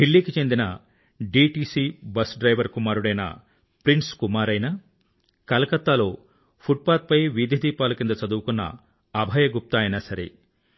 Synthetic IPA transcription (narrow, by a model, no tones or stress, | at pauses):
ɦilːiːkit͡ʃe̞nd̪inɐ | ɖiːʈiːsiːbɐsɖɾɐjʋɐɾkumaːɾuɽɐjnɐ̰ | pɾinskumaːɾɐjnɐ | kɐlɐkɐt̪ːaːlo̞ː | pʰuʈ̚paːt̪̚pɐjʋid̪ʱjɐd̪iːpaːlukind̪ɐt͡ʃɐd̪uwukunːɐ̰ː | bʱɐːjɐɡup̚t̪aːjɐnɐsɐɾḛ